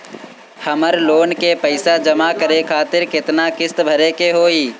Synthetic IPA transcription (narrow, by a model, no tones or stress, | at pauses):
hɐməɾloːnkepəɪsad͡ʒəmakəɾekʰaːt̪ɪɾkɪt̪nakɪst̪bʱəɾekeɦoːiː